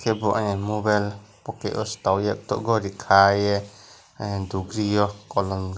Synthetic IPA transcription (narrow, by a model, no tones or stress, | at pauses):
kʰɛbɔʔaɲɛmubɛlpɔkɛ̰ʔɔ̰st̪awjak̚t̪ɔ̰ʔɡɔɾikʰajɛ | d̪uɡɾijɔkɔlɔnɡ